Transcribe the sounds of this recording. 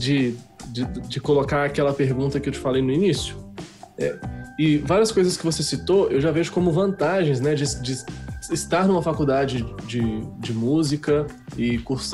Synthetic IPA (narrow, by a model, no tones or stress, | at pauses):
d͡ʒɪd͡ʒɪd͡ʒɪkolokaɾakɛlɐpeɾɡũnt̪ɐkɪewt͡ʃɪ̥falejnʊinisjʊɛ̰ɪvaɾiɐskojzɐskɪvosesit̪oewʒaveʒʊkõmʊvɐ̃nt̪aʒẽj̃znɛd͡ʒɪd͡ʒɪːst̪aɾnũmɐfakud̪ad͡ʒɪd͡ʒɪd͡ʒɪmuzikɐ | ɪkuɾs